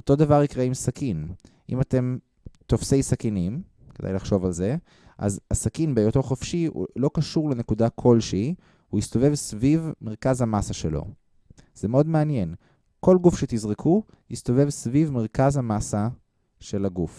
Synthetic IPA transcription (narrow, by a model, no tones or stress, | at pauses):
ot̪o̞d̪avaʁikʁeimsakin | ʔḭmate̞m | t̪ofse̞jsakinim | ke̞d̪a̰jlaχʃo̞valze̞ | ʔa̰zasakinbejot̪o̞χofʃḭlo̞kaʃuʁlene̞kudakʰo̞lʃei | uist̪o̞ve̞vsvivmeʁkazhamasaʃelo̞̰ | z̥emeo̞d̪meanje̞n | ko̞lɡufʃet̪izʁikʰu | hist̪o̞ve̞vsvivmeʁ̞kazhamasa | ʃe̞laɡuf